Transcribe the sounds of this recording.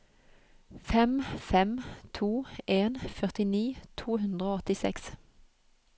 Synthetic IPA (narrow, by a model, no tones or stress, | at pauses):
fɛmfɛmt̪ʰuːʔeːnfœʁt̪ɪniːt̪ʰuːhʉnd̪ʁəoːɔt̪ɪsɛ̰ks